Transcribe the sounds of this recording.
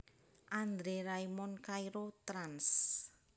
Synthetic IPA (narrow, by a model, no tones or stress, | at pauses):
ʔand̪ɾeɾaimɔnkaiɾot̪ɾans